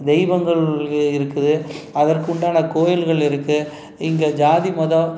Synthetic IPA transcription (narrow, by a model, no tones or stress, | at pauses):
d̪ɛɪʋɐŋɡɐɭɪɾɯkːɯðɯ | ɐðɐrkʊɳɖaːnɐkoːjɪlɣɐɭɪɾɯkːɯ | ɪŋɡed͡ʒaːðimɐðɐ